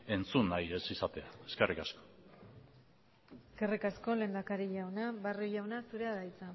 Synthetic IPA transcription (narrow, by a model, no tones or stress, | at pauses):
e̞nt͡sunːaje̞sisat̪e̞aeskerikasko̥ | eske̞rikasko̞le̞nd̪akaɾiʎawnaβaruʎawnasuɾe̞aðajt͡sa